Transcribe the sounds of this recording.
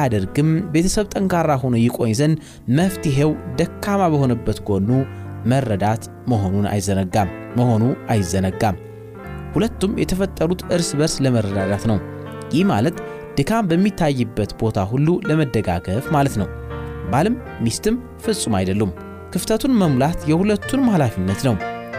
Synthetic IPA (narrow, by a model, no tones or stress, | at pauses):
ad̪əɾɡɨmbe̞t̪ʰəsəβt̪ʼəŋkʰaɾaɦo̞nojɪkʼo̞ɲzən | məft̪iɦewd̪əkːamabəho̞nəbːət̪ɡo̞nːumərəd̪at̪ | məɦonuna̰jzəɡam | məho̞nuajzːənəɡːam | hulət̪ːumjɛt̪ʰəfət̪ʼːəɾut̪ʔɨɾsbəɾsləməɾəd̪ad̪at̪nəw | jɪhma̰lət̪ | d̪̥ɨkʰambəmːit̪ʰːajːɨbːət̪bo̞t̪ʰaɦulːuləməd̪ːəɡa̰ɡəfmalət̪nəw | balɨmːist̪ʰɨm | fɨsʼumajd̪əlːum | kʰɨft̪ʰət̪ʰunməmlat̪jɛhulət̪ːunmahlafinːət̪nəw